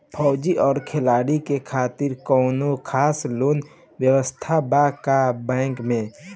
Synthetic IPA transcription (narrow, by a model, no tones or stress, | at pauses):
pʰɔːd͡ʒiʔɔːɾkʰelaːɽikekʰaːt̪ɪɾkɔːnokʰaːsloːn | wjəwəst̪ʰabakabɛ̃ːŋkmẽ